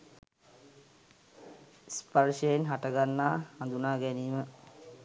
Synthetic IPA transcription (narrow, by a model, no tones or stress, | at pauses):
sparʃəjenɦaʈəɡanːaːhand̪unaːɡæniːmə